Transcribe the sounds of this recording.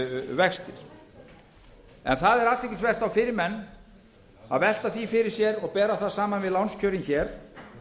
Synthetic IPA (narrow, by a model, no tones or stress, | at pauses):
vɛxst̪ɪɾ̥ | ɛ̰nθaðɛɾat̪ʰɛcɪnsvɛr̥t̪θawfɪɾɪɾmɛnː | a̰ðvɛl̥t̪aθifɪɾɪɾ̥sjɛɾɔɣpɛːɾaθaðsaːmanvɪðlawnscʰœːɾinçɛɾ̥